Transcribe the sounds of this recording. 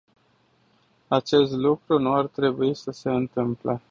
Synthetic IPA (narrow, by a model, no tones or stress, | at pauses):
at͡ʃe̞st̪lukɾunuart̪ɾe̞buisəse̞ɨnt̪ɨmple